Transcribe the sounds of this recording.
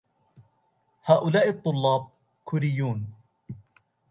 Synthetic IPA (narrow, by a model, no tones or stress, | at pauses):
haːʔʊlaːʔɨt̪ˤːʊlːɑːb̚ | kʰʊɾɪjːuːn